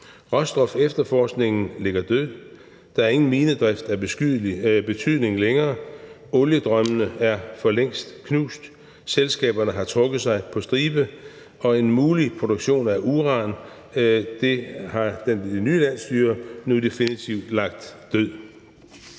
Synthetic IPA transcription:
ʁɒsd̥ʁɒ̽fefd̥ɐfɒːsɡ̥ne̝ŋn̩le̝ɡ̥ɐd̥øð̰ˠ | d̥ɑ̈æɐe̝ŋn̩miːnəd̥ʁɛfd̥æ̥ | b̥e̝t͡sʰyðˠne̝ŋleŋɐː | ɔ̽ljəd̥ʁɶmənəæɐfɒ̽leŋ̰sd̥kʰnṵːsd̥ | selsɡ̥ɛ̰ːb̥ɐnəɦɑ̈t͡sʰʁɔ̽ɡ̥ð̞̩ˠsɑ̈ɪpʰɒ̽sd̥ʁiːb̥ə | ɒ̽e̝nmuːlipʰʁo̝d̥oɡ̥ɕo̝̰ːnæɐʔuʁɑ̈n | d̥e̝hɑ̈d̥enenyːlæn̰sd̥yːɐnud̥e̝finit͡sʰiʊd̥lɑ̈ɡ̥̚d̥ːøð̰ˠ

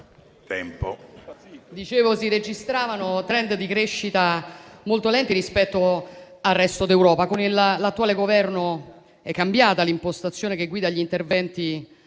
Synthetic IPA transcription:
t̪ɛmpo | d̪it͡ʃeːvosiɾed͡ʒist̪ɾaːvanot̪ɾɛnd̪d̪ikɾeʃːit̪amolt̪olɛnt̪iɾispɛt̪ːoarːɛst̪od̪ewɾɔːpakonillat̪ːuaːleɡovɛrno | ɛkːambjaːt̪alimpost̪at̪sːjoːnekeɡːwiːd̪aʎːint̪ervɛnt̪i

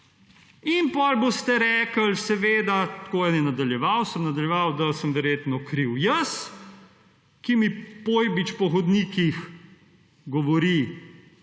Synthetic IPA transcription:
inpɔlbost̪ɛɾɛːkəlsɛʋeːd̪at̪koːjɛnjɛnad̪aljɛʋawsəmnad̪ɐljɛʋawd̪asəmʋɛɾjeːt̪nɔkɾiwjəs | kimipojbit͡ʃpɔxɔd̪niːkix | ɡɔʋɔɾi

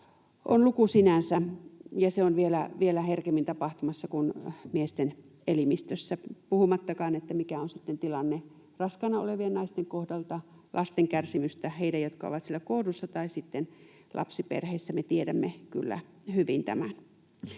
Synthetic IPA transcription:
ʔonlukusinænsæjɑseonʋielæʋielæherkemːint̪ɑpɑht̪umɑsːɑkunmiest̪en | elimist̪øsːæpuhumɑt̪ːɑkɑːnet̪ːæmikæonsit̪ːent̪ilɑnːe | rɑskɑnɑo̰leʋiennɑist̪eŋkohdɑlt̪ɑ | lʔɑst̪eŋkærsimyst̪æheidæjjot̪kɑo̰ʋɑt̪sielːˑækoːdusːɑt̪ɑisit̪ːen | lʔɑ̰psipḛrheisːæmet̪iedæmːeky̰lːæ̰ | hyʋint̪æ̰mæn

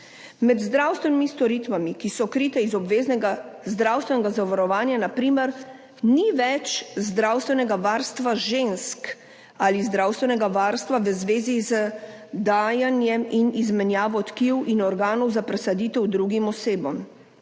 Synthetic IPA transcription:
mɛd̪zd̪ɾawst̪ʋɛnimist̪ɔɾit̪ʋamikisɔkɾiːt̪ɛizɔbʋeːznɛɡazd̪ɾaːwst̪ʋɛnɛɡazaʋaɾɔʋaːnjanapɾiːmɛɾ | niʋɛt͡ʃzd̪ɾawst̪ʋɛnɛɡaʋaːɾst̪ʋaʒensk | alizd̪ɾawst̪ʋɛnɛɡaʋaːɾst̪ʋaʋəzʋeːzizə | d̪aːjanjɛminizmɛnjaːʋɔt̪kiwʔinɔɾɡaːnɔwzapɾɛsad̪iːt̪ɛwd̪ɾuɡimɔseːbɔm

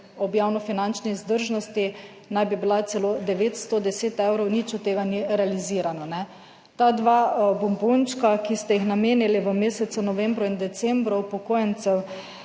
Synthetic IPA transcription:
ɔbjawnɔfinant͡ʃniːzd̪əɾʒnɔst̪i | najbibilat̪sɛlod̪ɛʋeːt̪st̪od̪ɛseːt̪ewɾɔwnit͡ʃɔt̪ːeːɡaniɾɛaliziːɾanɔnɛ | t̪ad̪ʋabɔmbont͡ʃkakist̪ɛjixnameːniliʋəmeːsɛt̪sunɔʋɛmbɾɔind̪ɛt̪sɛmbɾɔwpɔkoːjɛnt̪sɛw

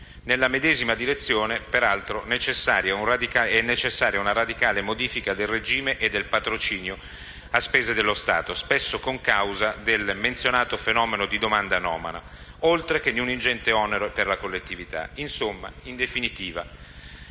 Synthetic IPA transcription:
nelːamed̪ɛːzimad̪iɾet̪sːjoːnepeɾalt̪ɾonet͡ʃesːaːɾjaunrad̪ikaɛnːet͡ʃesːaːɾjaunaɾad̪ikaːlemod̪iːfikad̪elred͡ʒiːmeʔed̪ːelpat̪ɾot͡ʃiːnjo | aspeːzed̪elːost̪a̰ːt̪ospesːokoŋkawzad̪elment̪sjonaːt̪ofenɔːmenod̪id̪omand̪anɔːma̰na̰ | olt̪ɾek̟enːiunind͡ʒɛnt̪eɔːneɾoperlakolːet̪ːivit̪a̰insomːa̰ind̪efinit̪iːva̰

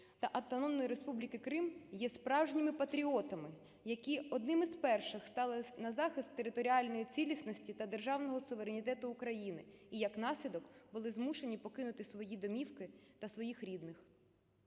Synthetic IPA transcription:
t̪ɐʔɐwt̪ɔnɔmnɔjiɾe̞spublʲikɪkɾɪmjɛspɾɑwʒnʲimɪpɐt̪ɾʲiɔt̪ɐmɪ | jɐkʲiɔd̪nɪmɪzpɛrʃɪxst̪ɑlˠɪnɐzɑxɪst̪ːeɾɪt̪ɔɾʲiɑlʲnɔjit͡sʲilʲisnɔsʲtʲit̪ɐd̪erʒɑwnɔɦɔsʊʋeɾenʲit̪ɛt̪ʊːkɾɐjinɪ̰ijɐkn̪ɑsʲlʲid̪ɔkbʊlˠɪzmuʃe̞nʲipɔkɪnʊt̪ɪsʋɔjid̪ɔmʲiwkɪt̪ɐsʋɔjixɾʲid̪nɪx

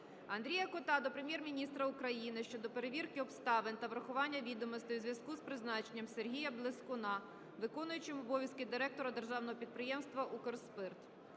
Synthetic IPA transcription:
ɐnd̪ɾʲijɐkʊt̪ɑd̪ɔpɾemʲjɛrmʲinʲist̪ɾɐʊkɾɐjinɪʃt͡ʃɔd̪ɔpe̞ɾeʋʲirkɪɔpst̪ɑʋent̪ɐʋɾɐxʊʋɑnʲːɐʋʲid̪ɔmɔst̪ɔjuzʲʋʲjɐskuzpɾɪznɑt͡ʃenʲːɐmserɦʲijɐblˠɪskʊnɑ | ʋɪkɔnʊjʊt͡ʃɪmɔbɔʋʲjɐskɪd̪ɪɾɛk̚t̪ɔɾɐd̪erʒɑwnɔɦɔpʲid̪̚pɾɪjɛmst̪ʋɐʔukɔrspɪrt̪

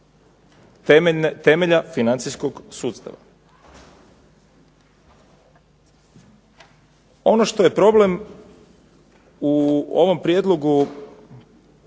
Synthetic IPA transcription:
t̪e̞meʎafinant̪sisko̞ɡsuːt̪st̪a̰ʋa̰ | o̞noʃt̪o̞je̞pɾo̞ble̞m | uo̰ʋo̞mpɾje̞d̪lˠo̞ɡu

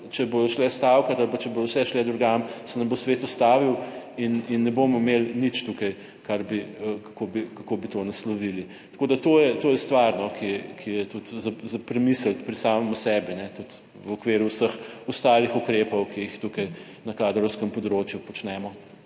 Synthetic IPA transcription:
t͡ʃɛbod̪ɔʃlɛst̪awkat̪alpat͡ʃɛboːd̪ɔwsɛʃlɛd̪ɾɔɡamsɛnɐmbosʋet̪ɔst̪aːʋiwininːɛbomɔmelnit͡ʃt̪ukɐj | kaɾbiəkḁkobikakoːbit̪onɐslɔʋili | t̪akoːd̪at̪oːjɛt̪oːjɛst̪ʋaɾnɔkikʰijɛt̪ut̪zazapɾɛmisəlpɾisaːmɛmusɛbinɛt̪ut̪ | wɔkʋeːɾuwsəxɔst̪aːlixukɾeːpɔwkiixt̪ukɐj | nɐkad̪ɾɔwskəmpɔd̪ɾoːt͡ʃjupɔt͡ʃnɛmɔ

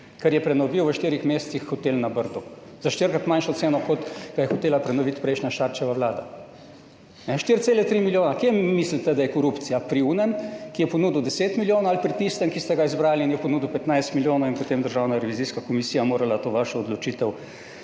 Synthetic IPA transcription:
kɛɾjɛpɾɛnɔʋiwʋəʃt̪iːɾixmeːssixːɔt̪eːlnabəɾd̪u | z̥aʃt̪iɾkɾat̪manʃɔt̪seːnɔkɔt̪ɡ̥ajɛxɔt̪eːlapɾɛnɔʋit̪pɾɛjʃnʲaʃaɾt͡ʃɛʋaʋlaːd̪a̰ | nɛʃt̪iɾt̪seːlɛt̪ɾimiljoːnakemːislit̪ɛd̪ajɛkɔɾupt̪sijapɾiuːnənkijɛpɔnuːd̪wd̪ɛseːt̪miljoːnoalipɾit̪ist̪ɛmkist̪ɛɡaizbɾaːliːnjɛpɔnuːd̪uwpɛt̪najst̪miljoːnowinpot̪eːmd̪əɾʒaːwnaɾɛʋiziskakɔmisijamoːɾalat̪oːʋaʃɛɔd̪lɔt͡ʃit̪ɛw

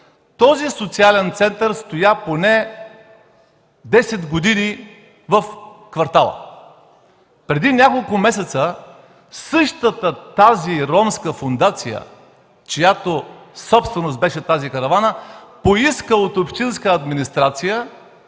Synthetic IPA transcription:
t̪ɔzisot̪sialɛnt̪sɛnt̪əɾst̪ojaponɛ | d̪ɛsɛd̪ɡod̪ini | vəfkvɐɾt̪alˠə̰ | pɾɛd̪inʲakolˠkʊmɛsɛt̪sə | sɤʃt̪ət̪ət̪aziɾɔmskəfond̪at̪sijə̰ | t͡ʃijat̪osɔpst̪vɛnost̪bɛʃɛt̪azikɐɾɐvanəpoiskəot̪opʃt̪inskəɐd̪minist̪ɾat̪sijə

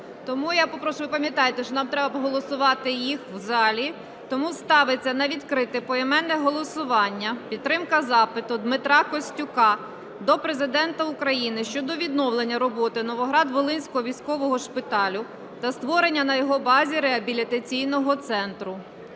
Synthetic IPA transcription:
t̪ɔmujapɔpɾɔʃʊjʊpɐmʲjɐt̪ɑjt̪ɪʃɔnɑmt̪ɾɛbɐpɔɦɔlˠɔsʊʋɑt̪ɪjixwzɑlʲi | t̪ɔmust̪ɑʋet͡sʲːɐnɐʋʲid̪kɾɪt̪ɪpɔɛmɛnːɛɦɔlˠɔsʊʋɑnʲːɐpʲit̪ːɾɪmkɐzɑpɪt̪ʊd̪mɪt̪ɾɑkɔsʲtʲʊkɑ | d̪ɔpɾezɪd̪ɛnt̪ɐʊkɾɐjinɪʃt͡ʃɔd̪ɔʋʲid̪̚nɔwlˠenʲːɐɾɔbɔt̪ɪnɔʋɔɦɾɑd̪ʋɔlˠɪnʲsʲkɔɦɔʋʲijsʲkɔʋɔɦɔʃpɪt̪ɑlʲʊ | t̪ɐst̪ʋɔɾenʲːɐnɐjɔɦɔbɑzʲiɾeɐbʲilʲit̪ɐt͡sʲijnɔɦɔt̪sɛnt̪ɾʊ

